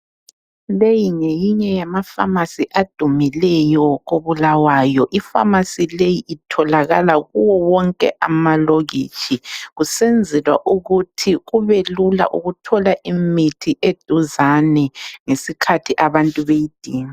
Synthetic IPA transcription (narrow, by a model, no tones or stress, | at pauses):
lejiŋejiɲɛjamafa̰masiʔad̥ʱumilɛjɔɣoβulawaːjɔʔifa̰masilejiʔːtʰɔlaɣa̰laɣuwɔwɔŋkʼɛ̰ʔamaloɣḭːt͡ʃʰʼiɣusend͡zʱilwa̰ʔuɣutʰiɣuβelula̰ʔuɣutʰɔlaʔimitʰiʔed̥ʱuzanɛŋesikʰatʰiʔaβantʼuβejid̥ʱiːŋa